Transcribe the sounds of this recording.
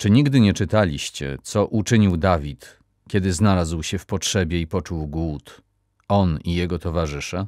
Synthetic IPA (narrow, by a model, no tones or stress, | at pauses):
t͡ʂɘɲiɡd̪ɘɲɛt͡ʂɘt̪alʲiɕt͡ɕɛ̰t̪sɔʔut͡ʂɘɲiwd̪avʲit̪ | kʲɛd̪ɘznalazwɕɛfpɔtʂɛbʲjɛipɔt͡ʂuwɡwut̪ | ɔnijɛɡɔt̪ɔvaʐɘʂa